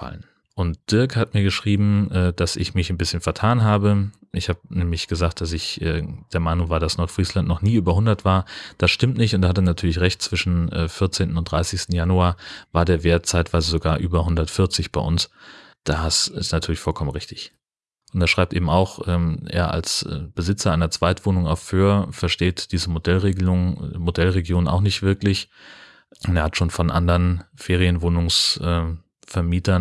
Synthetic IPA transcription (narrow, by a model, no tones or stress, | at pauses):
fa̰lən | ʔʊntd̥ɪɐkhatmiːɐɡəʃʁ̥iːbm̩ʔɛːd̥asɪ̰çmɪçnbɪsçənfɛɐtʰaːnɦaːbəʔɪçhaːbənɛːmlɪçɡ̥əzaːkt̚d̥as̬ɪçʔɛ̰ːd̥eːɐmaɪnʊŋvaːɐdasnɔɐtfʁ̥iːslantnɔχniːʔyːbɐhʊndɐtv̥aːɐd̥asʃtɪmtnɪçtʊntd̥aːhat̬ənatʰyːɐlɪçʁɛçtt͡sv̥ɪʃn̩ɛ̰ːfɪɐt͡seːntn̩ʊn̚d̥ʁaɪsɪçstn̩januaːɐvaːɐdeːɐveːɐt̚t͡saɪtv̥aɪzəzoɡaːɐʔyːbɐɦʊndɐtfɪɐt͡sɪçb̥aɪʔʊns | d̥aːsɪ̰snatʰyɐlɪçfɔlkʰɔmənʁɪçtɪç | ʔʊnteːɐʃʁ̥aɪp̚tʔeːbm̩aʊxʔɛːmʔḛːɐʔa̰lsɛ̰ːb̥əzɪt͡sɐʔaɪnɐt͡sv̥aɪtv̥oːnʊŋa̰ʊfføːɐfɛɐʃteːtd̥iːzəmodɛlʁeːɡəlʊŋmodɛlʁeɡjoːna̰ʊxnɪçtv̥ɪɐklɪç | eːɐhatʃoːnfɔnʔa̰ndɐʁnfeːʁijənvoːnʊŋsʔɛː | fɛɐmiːtɐn